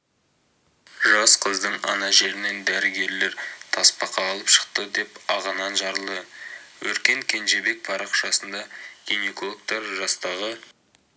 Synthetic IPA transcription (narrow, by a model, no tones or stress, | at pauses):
ʒɑsqʰəzd̪əɴɑ̰nɑʒe̞ɾɪne̞nd̪æɾɪɡʲe̞ɾle̞ɾt̪ʰɑspɑqɑːlˠəpʃə̥q̚t̪əd̪e̞pɑʁɑnɑnʒɑɾəlˠd̪əwɵɾkʲe̞ŋkʲʰe̞nʒe̞be̞k̚pʰɑɾɑqʃɑsənd̪ɑɡ̥ʲinekolˠok̚t̪ɑɾʒɑst̪ɑʁə